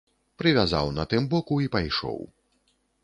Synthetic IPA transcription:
pɾɨvʲaza̰wnɐt̪ɨmbɔkuipajʂɔ̰w

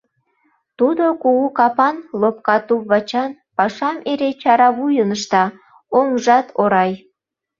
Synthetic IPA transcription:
t̪ud̪okuukɑpɑnlop̚kɑt̪uβɑt͡ɕɑn | pɑʃɑmeɾet͡ɕɑɾɑβujənəʃt̪ɑ | oŋʒɑt̪ʰoɾɑj

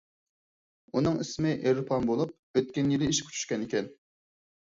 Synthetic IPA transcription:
unɨŋismɪʔeɾpʰɑnbolˠup̚øt̪̚kʲɛnjilɪiʃkʲʰy̥t͡ʃʰy̥ʃkʲɛnɪkʲɛn

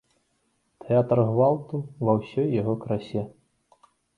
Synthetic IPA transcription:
t̪ʰɛat̪rɣvalˠt̪uvɐwsʲɔjːaɣɔkɾasʲɛ

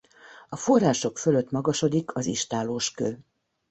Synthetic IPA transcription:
ɒfo̞rːaːʃo̞kføløt̪ːmɒɡɒʃo̞d̪ikʰɒziʃt̪aːloːʃkøː

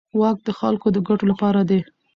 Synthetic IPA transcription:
wɑk̚d̪əxa̰lkod̪əɡaʈolapɑɾad̪e

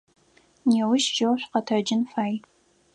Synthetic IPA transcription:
newɪʃʒɐwɕʷqɐtʰɐd͡ʒɪnfaːj

